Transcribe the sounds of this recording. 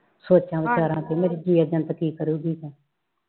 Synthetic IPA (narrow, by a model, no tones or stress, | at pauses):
soːt͡ʃãːʋəd͡ʒaːɾãːt̪eːmeɾiːd͡ʒiːjaːd͡ʒənt̪əkiːkəɾuːɡiːkɛ̃ː